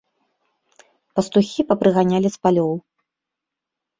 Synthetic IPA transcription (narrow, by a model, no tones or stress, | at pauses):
pɐst̪uxʲipɐpɾɨɣanʲalʲispalʲɔw